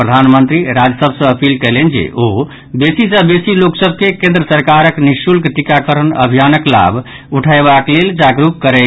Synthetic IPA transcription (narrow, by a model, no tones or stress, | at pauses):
pɾəd̪ʱanmənt̪ɾiɾad͡ʒəsəbʱsə̃əpilkɛlend͡ʒḛʔo | besisə̃besiloksəbʱkekẽnd̪ɾəsəɾkaɾəkniʃulkʈikakəɾənə̰bʱijanəkla̰bʱ | uʈʰaebakleld͡ʒaɡɾukkːəɾɛ